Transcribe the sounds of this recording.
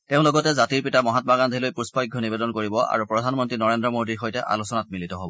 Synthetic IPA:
teʊ̃lɔɡɔtɛzatiɹpitamɔɦatmaɡandʱilojpuspajɡʱːɔnibedɔnkoɹibɔa̰ɹupɹɔdʱanmɔntɹinɔɹendɹɔmodiɹxojtɛʔa̰lusɔnat̚militɔɦobɔ

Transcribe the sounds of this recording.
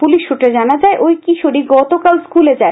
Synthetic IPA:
puliʃːuʈad͡ʑanad͡ʑaeʔojkiʃoɽiɡɔt̪okalskuled͡ʑae

